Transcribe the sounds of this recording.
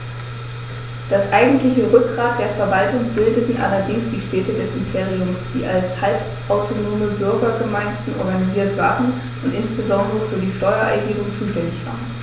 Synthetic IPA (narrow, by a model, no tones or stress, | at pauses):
d̥asʔaɪɡŋ̩tlɪçəʁʏk̚ɡ̥ʁaːt̚d̥eːɐfɛɐvaltʊŋb̥ɪldətn̩ʔa̰lɐdɪŋsd̥iːʃtɛːtədɛsɪmpʰeːʁiʊmsd̥ḭːʔalshalp | ʔaʊtʰonoːməbʏɐɡɐɡəmaɪndn̩ʔɔ̰ɐɡaniziːɐtv̥aːʁən̩ | ʔʊntʔɪnsb̥əzɔndəʁəfyːɐdiːʃtɔʏɐʔa̰ɪɡɪːɡʊŋt͡suːʃtɛndɪçv̥a̰ːʁən